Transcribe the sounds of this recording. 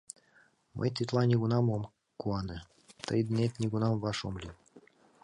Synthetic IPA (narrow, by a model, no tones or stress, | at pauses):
mʔə̰jt̪ʲit̪lˠɑnʲiɡunɑmom | kuɑnɘ | t̪əjd̪nʲet̪nʲiɡunɑmvɑʃomlʲi